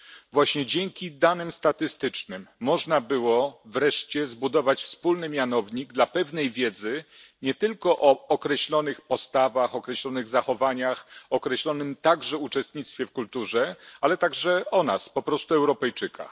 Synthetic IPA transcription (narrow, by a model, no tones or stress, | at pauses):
vwaɕɲɛd͡ʑɛŋkʲid̪anɘmst̪at̪ɘst̪ɘt͡ʂnɘmːɔʐnabɘwɔvɾɛʂt͡ɕɛzbud̪ɔvat͡ɕfspulnɘmʲjanɔvɲiɡ̚d̪lapɛvnɛjvʲjɛd̪zɘ | ɲɛt̪ɘlkɔʔɔɔkɾɛɕlɔnɘxpɔst̪avaxɔkɾɛɕlɔnɘɣzaxɔvaɲaxɔkɾɛɕlɔnɘmt̪aɡʐɛut͡ʂɛst̪ɲit̪st̪fʲjɛfkult̪uʐɛalɛt̪aɡʐɛɔnaspɔpɾɔst̪uɛwɾɔpɛjt͡ʂɘkʰa̰